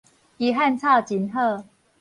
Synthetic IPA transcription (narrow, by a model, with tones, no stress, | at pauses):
i˨˦ɦa˥˨nt͡sʰa˥˧˩t͡ɕi˨˦nɦɤ˥˨